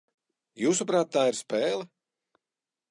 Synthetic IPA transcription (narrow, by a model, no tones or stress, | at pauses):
juːsupɾaːt̪̚ːaːiɾspɛːlˠɛ